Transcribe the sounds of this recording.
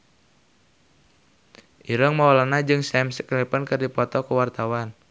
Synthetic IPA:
ʔiɾəŋmaɔlanad͡ʒɨŋsɛmsəklipənkɨrdipɔt̪ɔkuwart̪awan

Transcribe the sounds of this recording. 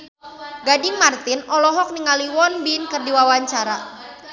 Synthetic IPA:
ɡadimart̪ɪnʔɔlɔɦɔk̚niŋaliwɔnbinkərdiwawaɲt͡ʃaɾa

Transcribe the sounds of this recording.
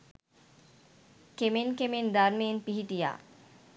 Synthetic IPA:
kemenkemend̪aɾmejenpiɦiʈija̰ː

